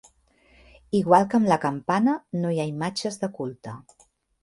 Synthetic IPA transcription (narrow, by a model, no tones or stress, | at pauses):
iɣwalˠkəmləkəmpanənojaimad͡ʒəzðəkulˠt̪ə